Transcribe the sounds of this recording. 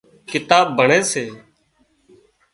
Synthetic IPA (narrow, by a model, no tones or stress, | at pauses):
kɪt̪aːbbəɳeːseː